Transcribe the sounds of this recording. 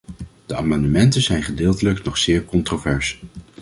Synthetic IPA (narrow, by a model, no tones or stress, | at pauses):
d̥əaːmɑndəmɛntəzɛjnχədɪːlˠtələknɔχsɪːɹkɔntrovɛɹs